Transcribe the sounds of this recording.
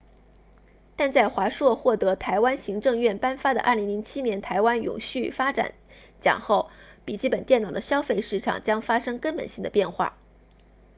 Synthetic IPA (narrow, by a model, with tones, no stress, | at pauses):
t̪a˥˧nt͡sa˥˩ɪxwa˧˥ʂwɔ˥˧xwɔ˥˩t̪ɤ˧˥t̪ʰa˧˥ɪwa˥nɕi˧˥ŋʈ͡ʂɤ˥˧ŋɥɛ˥˩npa˥nfa˥d̪ə̰˨ʔɐ̰˞˥˩li˧˥ŋli˧˥ŋt͡ɕʰi˥njɛ˧˥nt̪ʰa˧˥ɪwa˥njʊ̰˨˩ŋɕy˥˩fa˥ʈ͡ʂa̰˨˩˦n | t͡ɕjɑ̰˨˩ŋxo˥˩ʊpi˨˩t͡ɕi˥˩pə˨˩nt̪jɛ˥˩nɑ˨˩ʊd̪ə˦ɕjɑ˥ʊfe˥˧ɪʂɻ̩˥˩ʈ͡ʂʰɑ̰˨˩ŋt͡ɕjɑ˥ŋfa˥ʂɤ˥ŋkə˥npə̰˨˩nɕi˥˩ŋd̪ə˩pjɛ˥˧nxwa̰˥˩